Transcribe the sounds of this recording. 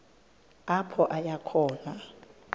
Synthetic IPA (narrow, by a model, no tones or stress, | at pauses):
apʰɔʔajakʰɔːna